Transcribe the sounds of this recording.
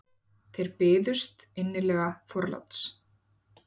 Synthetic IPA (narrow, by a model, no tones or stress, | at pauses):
θejɾpɪːðʏst̪ɪnːɪlɛːɣafɔɾla̰wt̪s